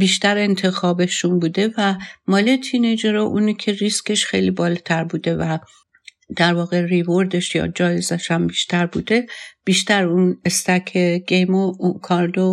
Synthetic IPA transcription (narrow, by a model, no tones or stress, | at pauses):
biːʃt̪æɾe̞nt̪ʰe̞xɒːbeʃunbuːd̪e̞væmɒːlet̪ʰined͡ʒeɾɒʔuːnicʰe̞ɾiske̞ʃxejlibɒːlɒt̪ʰæɾbuːd̪e̞væ | d̪̥æɾvɒːɣe̞rivoɾd̪eʃjɒ̰ːd͡ʒɒːjezæʃæmbiːʃt̪æɾbuːd̪e̞b̥iːʃt̪æɾunest̪ækʰeɡ̥ejmokʰɒɾd̪o